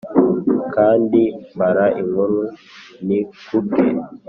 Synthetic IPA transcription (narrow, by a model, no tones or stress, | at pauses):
kandibaɾaʔiŋɔɾunikuɡḛ